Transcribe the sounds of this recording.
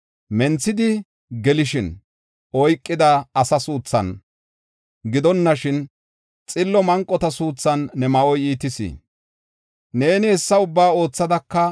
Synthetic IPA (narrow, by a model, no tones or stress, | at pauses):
mɛnt͡sːɪd̪ɪ | ɡɛlɪʃɪn | ʔɔjkʼːɪd̪ɐɐsɐsuːt͡sːɐ̰n | ɡɪd̪ɔnːɐʃɪn | t͡sʼɪlːɔmɐŋkʼːɔt̪ɐsuːt͡sːɐnːɛmɐʔɔjiːt̪ɪsḭː | ne̞ːnɪhɛsːɐʊbːaːo̞ːt͡sːɐd̪ɐkːɐ